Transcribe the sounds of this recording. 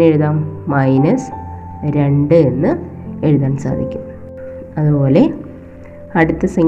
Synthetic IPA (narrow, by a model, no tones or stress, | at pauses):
e̞ɻuðaːmːɐjnɐs | ɾe̞ɳɖɨe̞nːɨ | e̞ɻuðaːnsa̰ːd̪ʱikʲːum | ɐðupo̞ːle̞ | ɐɽut̪ːɐsɐŋ